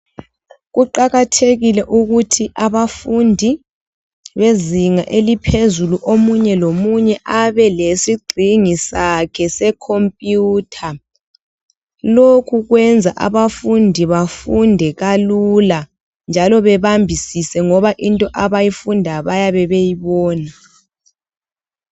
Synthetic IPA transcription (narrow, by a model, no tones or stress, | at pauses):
ɣuǃaɣatʰeɣilɛʔuɣutʰiʔaβafundʱi | βeziŋaʔelipʰezuluʔomuɲɛlomuɲɛʔaβɛlesiɡ͡ǃʱiŋisakʰɛsɛkʰompʼjuːtʰa | lokʰuɣwɛnd͡zʱaʔa̰βafundʱiβafundʱɛɣalula | nd͡ʒʱalɔβɛβambʱisisɛŋɔβaʔintʼɔʔaβajifundʱaβajaβɛβejiβɔːna